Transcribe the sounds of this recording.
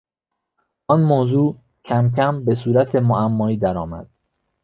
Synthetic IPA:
ʔɒːnmoːzuː | cʰæmcʰæmbe̞suːɾæt̪ʰe̞moʔæmːɒːiːd̪æɾɒːmæ̰d̪̥̚

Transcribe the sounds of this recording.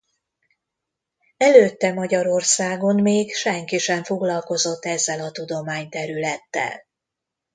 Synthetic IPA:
ɛløːt̪ːɛmɒɟɒɾo̞rsaːɡo̞nmeːɡʃɛŋkiʃɛɱfo̞ɡlɒlko̞zo̞t̪ːɛzːɛlɒt̪ud̪o̞maːɲt̪ɛɾylɛt̪ːɛ̰l

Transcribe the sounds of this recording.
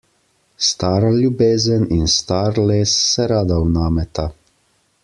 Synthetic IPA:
st̪aːɾaljubeːzəninst̪aːɾleːsːɛɾaːd̪awnaːmɛt̪a

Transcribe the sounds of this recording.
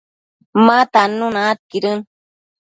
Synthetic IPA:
mat̪anunaːt̪̚kiɾɨn

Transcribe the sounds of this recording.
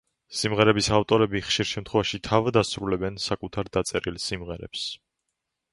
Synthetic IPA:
simʁɛɾɛbisaft̪ʼɔɾɛbiχʃiɾʃɛmt̪ʰχwɛvaʃit̪ʰavd̪asɾulɛbɛnsakʼut̪ʰaɾd̪at̪sʼɛɾilsimʁɛɾɛ̰ps

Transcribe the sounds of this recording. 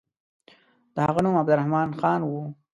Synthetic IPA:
d̪̥əhaɣanumabd̪ʊɾahmɑnxɑnwu

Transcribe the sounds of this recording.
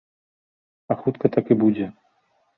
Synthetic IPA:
ɐxut̪kɐt̪akibud͡zʲɛ

